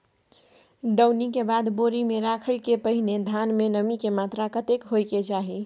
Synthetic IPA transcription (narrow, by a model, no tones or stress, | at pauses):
d̪əwnikebad̪boɾimeɾakʰəjkepəɦined̪ʱanmenəmikemat̪ɾakət̪ekɦojket͡ʃaɦi